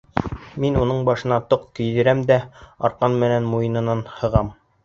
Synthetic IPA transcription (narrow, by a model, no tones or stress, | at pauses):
minunɤɴbɑʃɤ̆nɑt̪oqkɵ̆jd̪ɘ̆ɾæmd̪æɑ̰ɾqɑnmɘ̆nænmujɤ̆nɤ̆nɑnhɤ̆ʁɑm